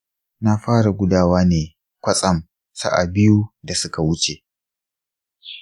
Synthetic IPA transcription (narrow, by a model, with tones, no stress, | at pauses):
na˦ɸaː˦ɽa˨ɡʷʊ˦daː˦waː˦neː˨ | kʷɐ˦sʼɐ˦m | sa̰˦ʔa̰˨bɪ˦ju˦da˨sʊ˦ka˨wʊ˦t͡ʃe˨